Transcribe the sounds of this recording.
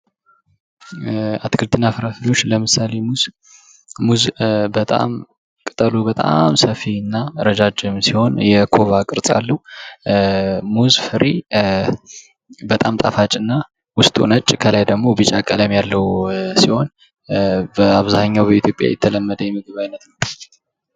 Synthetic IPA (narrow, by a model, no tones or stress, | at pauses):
at̪ʰkʰɨlt̪ʰːɨnːafɨɾafɨlo̞t͡ʃːləmɨsale̞muz | muzbət̪ʼa̰m | kʼɨt̪ʼəlubət̪ʼa̰msəfiɨnːaɾəd͡ʒad͡ʒɨmsiho̞njɛkʰo̞vakʼɨɾsʼa̰lːəhu | muzfɨɾi | bət̪ʼamt̪ʼafat͡ʃʼɨnːa | wʊst̪ʼṵnət͡ʃʼkʰəlajd̪əɡmo̞bɨt͡ʃʼakʼələmjalːəhwusiho̞n | bəaβzaɲːawbəit̪ʰjo̞pʼja̰jɛt̪ʰːələmːəd̪əjɛmːɨɡɨβajnət̪nəw